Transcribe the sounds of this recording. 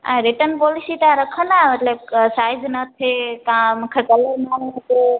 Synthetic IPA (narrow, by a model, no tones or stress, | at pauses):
ɛ̰̃ɾɪʈənpɔːlɪsit̪ãɾɐkʰənaːɦemɐt̪ləb̚saːɪznɐt̪ʰekãmũːkʰekɐləɾmaːnnt̪ʰe